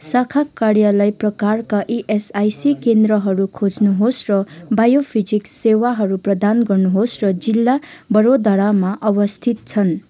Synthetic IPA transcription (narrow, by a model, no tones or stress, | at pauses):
sakʰakːarjʌlajprʌkarkaʔiʔesajsikend̪rʌɦʌɾukʰod͡znuɦosrʌbajopʰid͡zikssewaɦʌɾuprʌd̪anɡʌrnuɦosrʌd͡zilːa | bʌɾod̪aɽamaʔʌwʌst̪ʰit̪̚t͡sʰʌn